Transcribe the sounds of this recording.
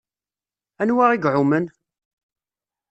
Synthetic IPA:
ænwaʁiɡʕʊmən

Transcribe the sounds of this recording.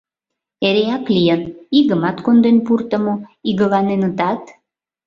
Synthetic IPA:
eɾeɑklijəniɣəmɑt̪kond̪enpurt̪əmoiɣəlɑnenət̪ɑt̪

